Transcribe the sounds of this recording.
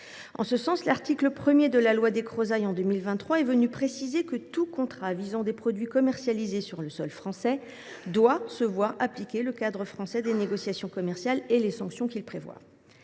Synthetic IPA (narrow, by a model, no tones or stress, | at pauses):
ɑ̃səsɑ̃slaʁt̪ikləpχəmjed̪əlalwad̪ekχozajɑ̃d̪ømilvɛ̃t̪t̪ːχwaɛvənypχesizekət̪ukɔ̃t̪χavizɑ̃d̪epχɔd̪ɥikɔmɛʁsjalizesyʁləsɔlfχɑ̃sɛ | d̪wasəvwaʁaplikʲeləkad̪ʁəfχɑ̃sɛd̪eneɡɔsjasjɔ̃kɔmɛʁsjalelesɑ̃ksjɔ̃kʲilpχevwa̰